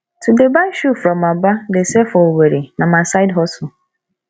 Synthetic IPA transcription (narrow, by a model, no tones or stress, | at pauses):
tʰudebaʃufɾɔmabadesefɔweɾenamasaɪdɦɔsʊ